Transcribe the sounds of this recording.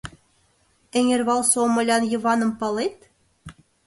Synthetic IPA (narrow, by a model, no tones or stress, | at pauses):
ɘ̆ŋʲerβɑlˠsomɤ̆lʲɑnjɤ̆βɑnɤ̆mpɑlet̪̚